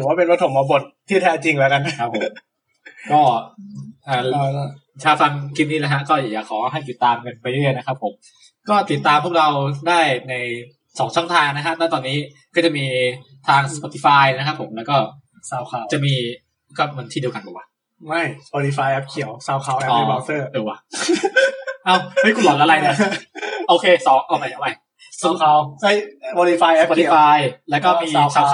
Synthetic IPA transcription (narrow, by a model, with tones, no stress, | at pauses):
ɯ˩˦waː˥˩pe˧nɾo˦˥t̪̚ʰːo˧˩mɔː˧bo˨˩t̪̚ʰːiː˥˩t̪ʰɛː˦˥t͡ɕi˧ŋlɛː˦˥wka˧na˧˩kʰa˦˥pʰːo˨˩m | kɔː˥˩ʔaː˨˩ | t͡ɕʰaː˧wfa˧nkʰi˦˥niː˥˩la˦˥ɦʰa˦˥kɔː˥˩ja˨˩jaː˨˩kʰɔː˩˦ɦa˥˩jt̪i˨˩t̪ːaː˧mkɤ˧npa˧jɾɯ˥˩ə˨jna˦˥kʰa˦˥pʰːo˩˦m | kɔː˥˩t̪i˨˩t̪ːaː˧mpʰu˥˩k̚ɾa˧wdaː˥˩jna˧j | sɔː˩˦ŋt͡ɕʰŋt̪ʰaː˧ŋna˦˥kʰa˦˥p̚t̪aː˥˩t̪ɔː˧nːiː˦˥kɔː˥˩t͡ɕa˨˩miː˧ | t̪ʰaː˧ŋspɔː˧t̪ʰi˧˩faː˧jna˥kʰa˦˥pʰːo˩˦mlɛː˦˥wkɔː˥˩ | saː˧wkʰa˧wt͡ɕa˨˩miː˧ | kɔː˥˩ma˧nt̪ʰiː˥˩di˧əka˧nbuː˨˩kwaː˥˩ | ma˥˩jspɔː˧t̪i˧faː˧jʔɛ˦˥p̚kʰi˨˩˦əwsaː˧wkʰa˧wɔː˨i˧˩ɔː˧sɤː˥˩dɯː˨˩waː˧˩ | ʔa˧˩whɤ˥˩jkʰu˧nlɔː˨˦nla˧˥la˧jna˧˩ʔoː˧kʰeː˧sɔː˩˦ŋʔɔː˨˩pa˧˩ja˨˩wma˦˥j | saː˧˩wkʰa˧˩wa˦˥˩jo˧li˧faː˧jʔpɔː˧t̪i˨˦˧aː˧jlɛː˦˥wkɔː˥˩miː˧sʰaː˧